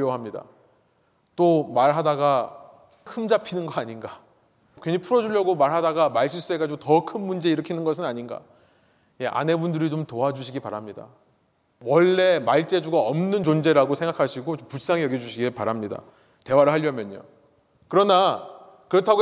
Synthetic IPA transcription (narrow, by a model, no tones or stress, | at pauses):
oɦamɲida̰ | t͈omaɾɦadaɡa | hɯmd͡ʑapʰinɯnɡʌaɲinɡa | kweɲipʰuɾʌd͡ʑuʎjʌɡomaɭɦadaɡamaɭɕ͈ʰis͈ue̞ɡad͡ʑiɡotʌkʰɯnmund͡ʑe̞iɾɯkʰinɯnɡʌsʰɯnaɲinɡa̰ | je̞ʔa̰ne̞bundɯɾit͡ɕomtoad͡ʑuɕʰiɡipaɾamɲida̰ | wʌɭːe̞maɭt͡ɕ͈ed͡ʑuɡaʌmnɯnt͡ɕond͡ʑe̞ɾaɡosʰeŋɡakʰaɕʰiɡoopus͈aŋejʌɡjʌd͡ʑuɕʰiɡipaɾamɲida̰ | te̞waɾɯɭɦaʎːʌmjʌɲo̰ | kɯɾʌna | kɯɾʌtʰaɡo